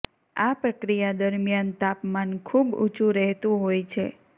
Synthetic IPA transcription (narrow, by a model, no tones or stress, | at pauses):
apɾəkɾijad̪əɾmjant̪apmankʰubṵt͡ʃʰũɾɛɦt̪ũɦojt͡ʃʰe